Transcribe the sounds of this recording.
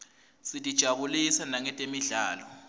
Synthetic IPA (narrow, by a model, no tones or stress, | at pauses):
sitʼid̥ʒ̥ʱaɓulisanaŋɛtʼemiɮaːlɔ